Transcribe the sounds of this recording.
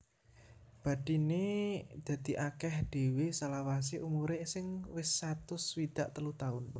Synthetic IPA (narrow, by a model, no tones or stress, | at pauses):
b̥a̤d̥ined̪̥ä̤d̪̥i̤ʔakɛhd̥e̤wesalawas̬eʔumuɾesɪŋwɪsːat̪ʊswid̪̥aʔt̪əlut̪aʊn